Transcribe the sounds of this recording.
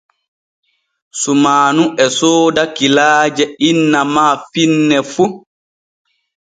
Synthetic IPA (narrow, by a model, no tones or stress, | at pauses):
sumaːnuʔɛsoːdakilaːd͡ʒɛinːamaːfinːɛfu